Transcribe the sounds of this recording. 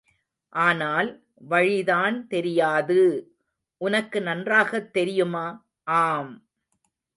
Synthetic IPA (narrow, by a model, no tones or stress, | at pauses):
ʔaːnaːl | ʋɐɻɪðaːnt̪ɛɾɪjaːðɯ | ʔʊnɐkːɯnɐndraːɣɐt̪ːɛɾɪjɯmaː | ʔaːm